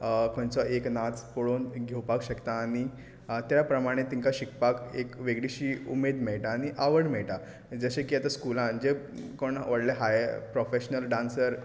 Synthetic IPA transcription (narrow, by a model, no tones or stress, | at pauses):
kont͡sɔeknat͡spoɽoːnɡʱewpakɕəkt̪aːɽ̃i | t̪japɾəmaɽ̃et̪ĩŋkaɕikpakekʋeɡɭiɕiːumed̪meɭʈaːñiʔaʋəɽmɛɭʈa | d͡zəɕekiat̪askulãnd͡ʑekoɳʋəɽleɦajpɾofeɕnəlɖãnsəɾ